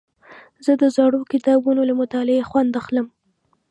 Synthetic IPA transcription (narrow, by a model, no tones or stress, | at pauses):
zəd̪əzɑɽokɪt̪ɑbunolamʊt̪ɑlɪexwand̪axləm